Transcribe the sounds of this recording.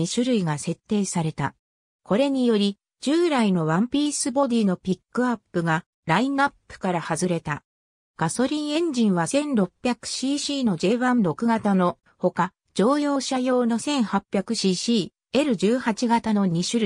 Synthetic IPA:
iɕɨɾɯ̟iɡase̞t̪ːe̞ːsaɾe̞t̪a̰ | ko̞ɾe̞ɲ̟ijo̞ɾʲi | d͡ʑɨːɾaino̞βãmpʲiːsɨbo̞d̪ʲiːno̞pʲikːɯ̟apːɯ̟ɡa | ɾainapːɯ̥kaɾahazɨɾe̞t̪a | ɡ̥aso̞ɾʲĩɰ̃ẽ̞ɲ̟d͡ʑĩɰ̃βasẽ̞nɾo̞pʲːjakɯ̟̥ɕiːɕiːno̞d͡ʑe̞ːβãnɾo̞kɯ̟ɡat̪ano̞ | ho̞ka | d͡ʑo̞ːjo̞ːɕajo̞ːno̞sẽ̞ɰ̃hapʲjakɯ̟ɕiːɕiː | e̞ɾɯ̟ʑɨːhat͡ɕiɡat̪ano̞ɲ̟iɕɨɾɯ

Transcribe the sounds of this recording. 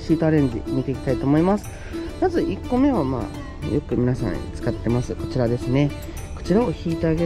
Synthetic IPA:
ɕiːt̪aːɾẽ̞ɲ̟d͡ʑḭmʲit̪e̞ikʲi̥t̪ait̪o̞ːmo̞imasɨ̥ | mazɨʔikːo̞me̞βama̰ː | jo̞kɯ̟mʲinasã̰t͡sɨ̥kat̪ːe̞masɨko̞̥t͡ɕiɾad̪e̞sɨne̞ | ko̞̥t͡ɕiɾaoçiːt̪e̞aɡe

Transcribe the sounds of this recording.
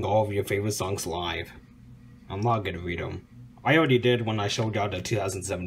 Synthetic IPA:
ŋɔlˠʌvjə˞feɪvə˞ɨtsɔ̃ŋz̥laɪv̥ | ãɪ̃mnɑt̚ɡɛɾɨɹiɾə̰̃m | aɪɔlˠɹɛɾidɪd̚wə̃naɪʃoʊd͡ʒaʊɾɨtʰʉθaʊznd̩sɛvn̩

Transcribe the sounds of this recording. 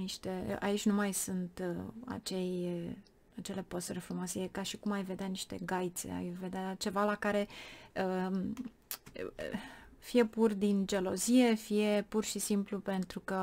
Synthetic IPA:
niʃt̪e̞a̰it͡ʃʲnumajsunt̪a̰t͡ʃe̞j | at͡ʃe̞le̞post̪refumasejekaʃikumajve̞d̪eaniʃt̪e̞̰ɡajt̪se̞̰a̰jve̞d̪eat͡ʃe̞valakaɾe̞ə | fije̞purd̪ind͡ʒelo̞zije̞fije̞purʃisimplupe̞nt̪ɾukə

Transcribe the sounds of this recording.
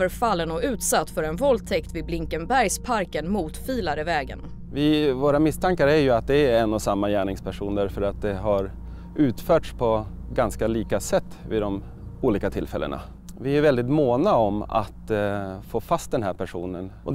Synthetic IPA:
əɾfalːənɔʉ̟ːt̪sat̪ːfœɾɛnvɔlt̪ʰɛkt̪vɪd̪̚blɪŋkənbæɾjspʰaɾkənmuːt̪fiːlaɾəvɛːɡə̰n | vɪvoːɾamɪst̪ʰaŋkaɾəæɾjɵat̪̚d̪ɛːɾɛnːɔsamːajæːɳɪŋspʰæʂuːnd̪æɾfœɾat̪̚d̪ɛɦaɾ | ʉ̟ːt̪fœːʈʂpʰɔ | ɡanskaliːkasɛt̪ːvɪ̰d̪ɔm | uːliːkat̪ʰɪlfɛ̰lːə̰ɳʔa̰ | vɪæɾvɛld̪ɪt̪moːnaɔma̰t̪foːfast̪̚d̪ɛnɦæːɾpʰæʂṵːnənʔɔ

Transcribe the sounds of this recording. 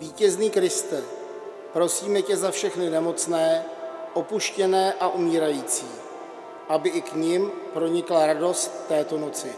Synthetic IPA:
viːcɛzniːkɾɪst̪ɛ | pɾo̞siːmɛcɛzafʃɛxnɪnɛmo̞t͡snɛːʔo̞puʃcɛnɛːʔaʔumiːɾajiːt͡siː | ʔabɪʔɪkɲɪmpɾo̞ɲɪklaɾado̞st̪ːɛːt̪o̞no̞t͡sɪ

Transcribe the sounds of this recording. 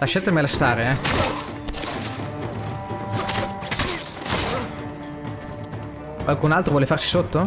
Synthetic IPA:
laʃːat̪ːemelest̪aːɾeɛ | kwalkunalt̪ɾovɔːlefaɾsi̥sot̪ːo

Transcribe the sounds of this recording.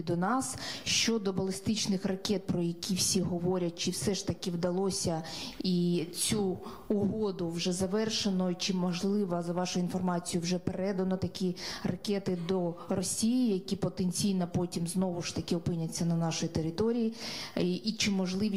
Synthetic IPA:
d̪ɔnɑsʃt͡ʃɔd̪ɔbɐlˠɪst̪ɪt͡ʃnɪxrɐkʲɛt̪̚pɾɔjɐkʲiwsʲiɦɔʋɔɾʲɐt̚ʲt͡ʃɪwsɛʃt̪ɐkʲɪwd̪ɐlˠɔsʲɐit͡sʲu | ʊɦɔd̪ʊwʒɛzɐʋɛrʃenɔt͡ʃɪmɔʒlˠɪʋɐzɐʋɑʃʊjʊinfɔrmɑt͡sʲijʊwʒɛpeɾɛd̪ɐnɔt̪ɐkʲirɐkʲɛt̪ɪd̪ɔrɔsʲijijɐkʲipɔt̪enʲt͡sʲijnɐpɔtʲimznɔʋʊʂt̪ɐkʲɪɔpɪnʲɐt͡sʲːɐnɐnɑʃɔjit̪eɾɪt̪ɔɾʲiji | it͡ʃɪmːɔʒlˠɪʋʲ

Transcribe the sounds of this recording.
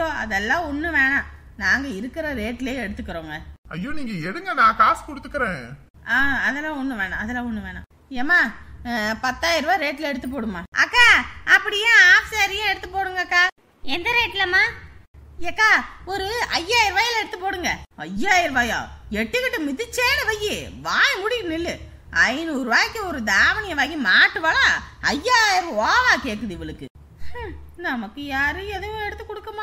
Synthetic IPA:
ɐjoːɐ̰ðɛlːãːɔnːɯʋeːɳãː | naːŋɡɐɪɾɯkːɪɾɐɾeːʈːleːɛɽɯt̪ːɯkːɯɾoːŋɡɐɐ̰jːoːniːŋɡɐɛɽɯŋɡɐnãːkaːskɔɽɯt̪ːɯkːɐɾẽː | aːɐðɛlːãːɔnːɯʋeːɳãːɐðɛlːãːɔnːɯʋeːɳã̰ | eːmaː | pɐt̪ːaːjɪɾɯʋaːɾeːʈːɪlɛɽɯt̪ːɯp̬ːoːɽɯmːaːʔɐ̰kːaːɐpːɐɽɪjẽːaːfɪsaːɾɪjɐ̃ɛɽɯt̪ːɯpːoːɽɯŋɡɐkːaː | ɛnd̪ɐɾeːʈːɪlɐmaː | eːkːaːɔɾɯɐjːaːjɪɾʋaːjɐlɛɽɯt̪ːɯpoːɽɯŋɡɐɐ̰jːaːjɪɾʋaːja̰ːɛʈːɯkɪʈːɯmɪðɯt͡ʃːeːnɐʋɐjːiʋaːjɐmʊɽɪknɪlːɯ | ɐɪnuːɾɯʋaːkːiɔɾɯd̪aːʋɐnɪjɐʋaːkimaːʈːɯʋɐlaɐjːaːjɪɾaːlaːkeːkːɯðɯɪʋɪɭɯkːɯ̰ | nɐmɐkːɯjaːɾɯɛðɯj̃ɛɽɯt̪ːɯkːɔɽɯkːɐmaː

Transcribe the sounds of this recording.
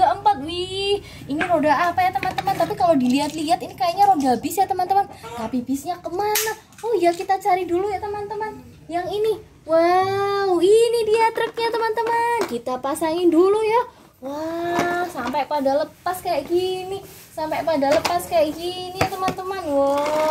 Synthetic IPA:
aʔəmpat̪̚wih | iniɾodaapajat̪əmant̪əmant̪apikalodiliɦat̪liɦat̪inikajaʔɲaɾodabɪsjat̪əmant̪əmant̪apibisɲakəmana | ohjakit̪at͡ʃaɾidulujat̪əmant̪əman | jaŋini | wawinidiat̪ɾək̚ɲat̪əmant̪əmankit̪apasaŋɪnduluja | wahsampapadaləpaskajaʔɡini | sampajpadaləpaskajaʔɡinijat̪əmant̪əmanwa

